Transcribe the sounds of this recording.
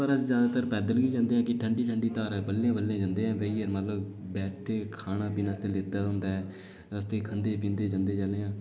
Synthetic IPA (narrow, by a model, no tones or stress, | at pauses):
pəɾəd͡ʒzjaːd̪aːt̪əɾpɛːd̪əlɡiːd͡ʒãːnd̪eːɛ̃ːkɪʈʰəɳɖiːʈʰəɳɖiːt̪aːɾɛːbəlːjãːbəljãːd͡ʒãːnd̪eːɛ̃ːʋeiːəɾmət̪ləb | bɛːʈʰeːkʰaːnaːpiːnãːst̪eːleːd̪aːɦʊ̃nd̪aːɛː | əst̪eːkʰənd̪eːpĩːnd̪eːd͡ʒãːnd̪eːd͡ʒaleːãː